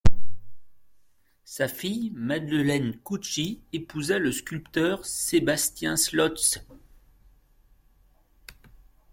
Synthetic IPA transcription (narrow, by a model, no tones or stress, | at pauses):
safijmad̪ləlɛnkut͡ʃiepuzaləskʲylpt̪œʁsebast̪jɛ̃slɔt̪s